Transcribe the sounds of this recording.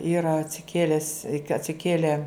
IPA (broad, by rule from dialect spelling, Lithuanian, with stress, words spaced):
ˈiːrɐ ɐtʲsʲɪˈkʲeːlʲɛs ɪ kɐ ɐtʲsʲɪˈkʲeːlʲɛ